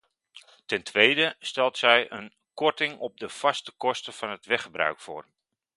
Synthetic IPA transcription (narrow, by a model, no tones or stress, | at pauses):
tɛntʰʋejdəstɛlˠtsɛjʔə̰n | kɔɹtɪŋɔb̚dəfɑstəkɔstəvɑnɦətʋɛχəbrœ̰ɥkfo̰ːr